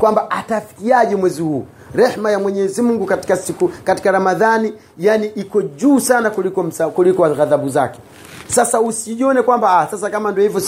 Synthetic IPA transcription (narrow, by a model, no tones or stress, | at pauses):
kwambaʔatafi̥kiaʄɛmwɛzihuː | ɾɛhmajamwɛɲɛzimuŋɡukati̥kasikukati̥kaɾamaðani | janiʔikɔʄuːsanakulikɔm̩sakulikɔaɣaðaɓuza̰kɛ̥ | sasausiɔnɛkwambaasas̬akamandiɔhivjɔ